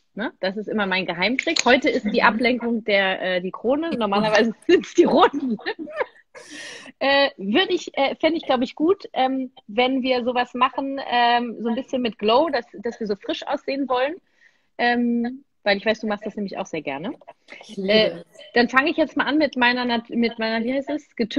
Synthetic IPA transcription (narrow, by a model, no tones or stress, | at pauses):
nəd̥as̬ɪstʔɪmɐmaɪnɡəɦaɪmtʁ̥ɪkhɔʏtəɪst̚d̥iːʔaplɛŋkʊŋd̥eːɐʔɛːdiːkʁ̥oːnənɔɐmaːlɐvaɪzəz̥ɪnt͡sd̥iːʁoːtn̩ | ʔɛːvʏɐdəɪçʔɛːfɛndəɪçɡ̥laʊbəɪçɡ̥uːtʔɛːmvɛnviːɐzoːvasmaχn̩ʔɛːmzoːnbɪsçənmɪt̚ɡ̥loʊdasd̥asv̥iːɐzoːfʁ̥ɪʃʔa̰ʊsz̥eːənvɔlən | ʔɛːm | vaɪlɪçvaɪsd̥uːmaχstd̥asnɛːmlɪçaʊxz̥eːɐɡɛ̰ɐnə | ʔɛːd̥anfaŋəɪçjɛt͡stmalʔanmɪtmaɪnɐnatmɪtmaɪnɐviːhaɪstɛsɡ̥ətʰ